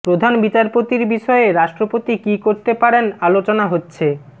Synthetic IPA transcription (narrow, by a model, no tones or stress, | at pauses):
pɾod̪ʱanbit͡ɕaɾpot̪iɾbiʃɔeeɾaʃʈɾopot̪ikikoɾt̪epaɾenalot͡ɕonaɦotːɕʰe